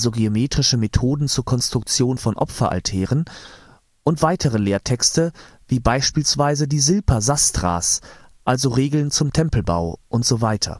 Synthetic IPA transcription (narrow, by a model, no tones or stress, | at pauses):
zoɡeomeːtʁ̥ɪʃəmetʰoːdn̩t͡suːɐkʰɔnstʁ̥ʊk̚t͡sjoːnfɔnʔɔ̰pfɐʔa̰ltʰɛːʁ̞ən | ʔʊntv̥aɪtʰəʁ̞əleːɐtʰɛkstə | viːbaɪʃpiːlsv̥aɪzədiːzɪlpʰɐzastʁ̥a̰ːs | ʔalzoʁeːɡl̩nt͡sʊmtʰɛmpl̩ba̰ʊʔʊntz̥ovaɪtʰɐ̰